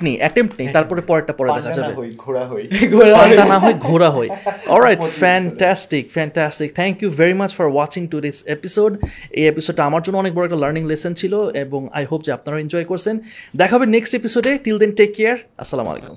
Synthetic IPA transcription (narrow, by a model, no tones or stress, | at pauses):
nejʔɛʈemʈnejt̪aɾpɔɾepɔɾɛk̚ʈapɔɾed̪ɛkʰad͡ʑabḛojɡʱoaɦojɡʱoanaɦɔjɡʱoɾaɦojɔ̰lɾajʈfɛnʈɛsʈikfɛnʈæsʈik̚t̪ʰɛŋkjuveɾimat͡ɕfɔɾwɔt͡ɕiŋʈud̪esepisoɖḛjepisoɖ̚ːaamaɾd͡ʑonːoɔnek̚bɔɾoɛk̚ʈalɐɾniŋlesent͡ɕʰiloeboŋa̰jɦop̚d͡ʑeap̚naɾaend͡ʑɔjkoɾt͡ɕʰend̪ɛkʰaɦbeneksʈepisoɖeʈild̪enʈekːeaɾɐ̰sːala̰m̰a̰lḛkṵm